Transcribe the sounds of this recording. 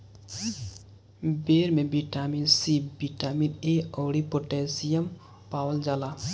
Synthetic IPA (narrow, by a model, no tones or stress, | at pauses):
beɾmebiʈaminsibiʈamineɔwɽipoʈesijəm | paːwəld͡ʒala